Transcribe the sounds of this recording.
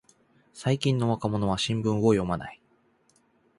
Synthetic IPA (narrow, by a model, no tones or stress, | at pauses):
saikʲĩnːo̞βakamo̞no̞βaɕĩmbɯ̟̃ŋɡojo̞mana̰i